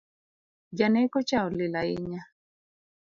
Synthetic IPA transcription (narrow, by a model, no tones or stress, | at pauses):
d͡ʒanɛkɔt͡ʃaɔlilaiɲa